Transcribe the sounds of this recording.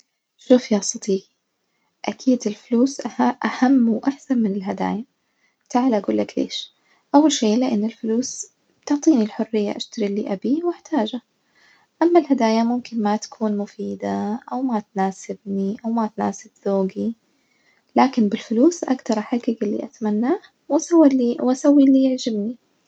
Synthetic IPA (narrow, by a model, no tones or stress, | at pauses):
ʃuːfjaːsˤɑt̪ˤiːɡ | ʔakʰiːd̪ɪlfʊluːsʔʔahamːwʔaħsanmɪnɪlɦad̪a̰ːja | t̪aʕalʔaɡuːlːaklḛːʃ | ʔawːalʃeːlɪʔanːɪlfʊluːs | bt̪ʊʕt̪ˤiːnilħʊrːɪjːa̰ʔaʃt̪aɾiliːʔabiwɪħt̪ʰaːd͡ʒa | ʔamːalɦad̪aːjamʊmkɪnmat̪ḁkʰuːnmʊfiːd̪aʔawmat̪naːsɪbniʔawmat̪naːsɪbzoːɡi | laːkɪnbɪlfʊluːsʔakt̪ɑɾˤʔaħaɡɪɡɪlːḭʔat̪manːaːh | wasawːiwʔasawːilːiːjɪʕd͡ʒɪbni